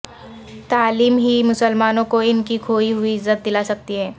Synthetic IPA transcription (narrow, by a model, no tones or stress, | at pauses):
t̪aːliːmɦimʊsəlmaːnõkoɪnkikʰoːiɦʊiɪzːət̪̚d̪ɪlasɐk̚t̪iɦɛː